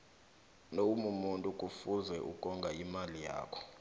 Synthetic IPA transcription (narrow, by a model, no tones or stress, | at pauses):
noumumuntʼukʼufuzɛʔṵkʼɔŋɡʱaimalija̰ːkʰɔ̥